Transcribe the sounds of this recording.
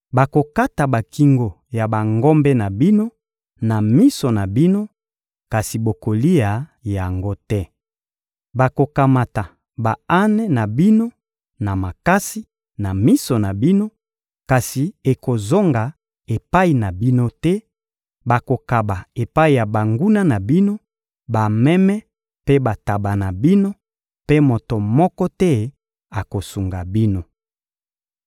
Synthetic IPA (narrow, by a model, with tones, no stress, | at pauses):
ba˨ko˨ka˦ta˨ba˨ki˨ŋɡo˨ | ja˨ba˨ŋɡo˦mbɛ˦na˨bi˦no˦ | na˨mi˦so˨na˨bi˦no˦ | ka˨si˨bo˨ko˨li˦ja˨ja˨ŋɡo˦tɛ˦ | ba˨ko˨ka˨ma˨ta˨ | ba˨a˦nɛ˦na˨bi˦no˦ | na˨ma˨ka˦si˦ | na˨mi˦so˨na˨bi˦no˦ | ka˨si˨e˨ko˨zo˦ŋɡa˨ | e˨pa˦i˨na˨bi˦no˦tɛ˦ | ba˨ko˨ka˨ba˨e˨pa˦i˨ja˨ba˨ŋɡu˦na˦na˨bi˦no˦ | ba˨mɛ˦mɛ˦ | pe˦ba˨ta˨ba˨na˨bi˦no˦ | pe˦mo˨to˨mɔ˦kɔ˦tɛ˦ | a˨ko˨su˨ŋɡa˨bi˦no˦